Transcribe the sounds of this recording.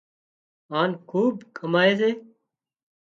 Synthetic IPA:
aːnkʰuːbkəmaːeːseː

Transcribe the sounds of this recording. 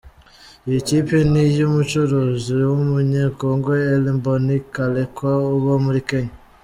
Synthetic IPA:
ecipenijomut͡ʃuɾoziwomuɲekoŋɡweːlimbonikalekwaoβomuɾikeɲa

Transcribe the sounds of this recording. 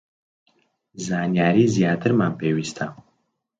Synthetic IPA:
zaːnjaːɾiːzjaːt̪ʰɨɾmaːmpʰeːwiːst̪ʰa

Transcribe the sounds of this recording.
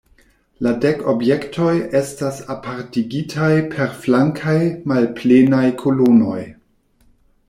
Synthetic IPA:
ladeko̞bje̞ktʰo̞je̞stasapʰaɾtiɡitʰajpʰe̞ɾflaŋkʰajmalplenajkʰolono̞j

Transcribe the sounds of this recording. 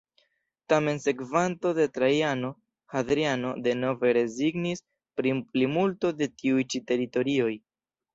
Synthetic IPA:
tame̞nse̞kvanto̞de̞tɾajano̞ | hadɾiano̞de̞no̞ve̞ɾe̞ziɡnis | pɾiplimulto̞de̞tiujt͡ʃite̞ɾito̞ɾio̞j

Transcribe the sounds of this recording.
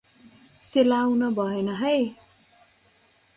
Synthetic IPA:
selawnʌbʱʌenʌɦʌj

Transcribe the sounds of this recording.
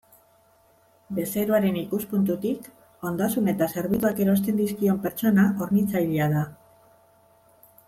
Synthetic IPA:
be̞se̞ɾuaɾe̞nikuspunt̪ut̪ik | o̞nd̪asune̞t̪ase̞ɾβ̞it̪uake̞ɾo̞st̪e̞nd̪iskio̞mpe̞ɾt͡so̞naʔo̞ɾnit͡sajliaða

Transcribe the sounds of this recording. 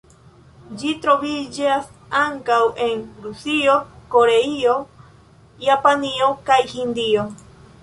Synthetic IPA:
d͡ʒit̪ɾoβid͡ʒasaŋkawʔeŋɾusiokoɾeio | japaniokajhind̪io

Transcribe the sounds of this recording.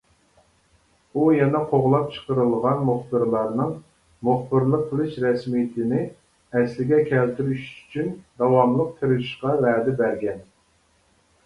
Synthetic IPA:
ujɛnɛqʰoʁlˠɑp̚t͡ʃʰə̥qəɾɨlˠʁɑnmuχbɨɾlˠɑɾnɨŋ | muχbɨɾlˠəq̚pʰɨlˠɨʃɾɛsmijɪt̪ʰɪnɪ | ɛslɪɡʲɛkʲʰɛlt̪yɾyʃy̥t͡ʃʰynd̪ɑwɑmlˠəq̚t̪ʰɨɾɪʃqɑvæːd̪ɛbæɾɡʲɛn

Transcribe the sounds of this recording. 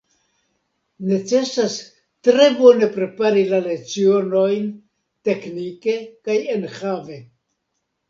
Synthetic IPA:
ne̞t͡se̞sas | tɾe̞bo̞ne̞pɾe̞paɾilale̞kt͡sio̞no̞jn | te̞knike̞kaje̞nxave̞

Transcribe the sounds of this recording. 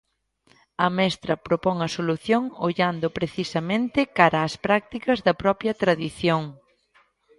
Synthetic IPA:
ɐmɛst̪ɾɐpɾopɔŋɐsoluθjoŋoʎand̪ʊpɾeθisɐmẽnt̪ɪkaɾɐːspɾak̚t̪ikɐzðɐpɾɔpjɐt̪ɾaðiθjoŋ

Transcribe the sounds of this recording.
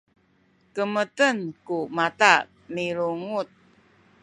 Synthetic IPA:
kəmətənkumat̪a | niɾuŋut̪̚

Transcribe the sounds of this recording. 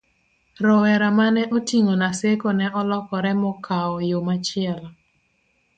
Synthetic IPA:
ɾɔwɛɾamanɛʔotiŋonasekonɛʔɔlɔkɔɾɛmɔkʰaɔjomat͡ʃɪɛla

